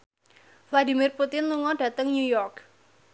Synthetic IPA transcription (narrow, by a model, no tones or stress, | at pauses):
fladi̤mirput̪ɪnluŋɔɖä̤t̪əŋnujɔrk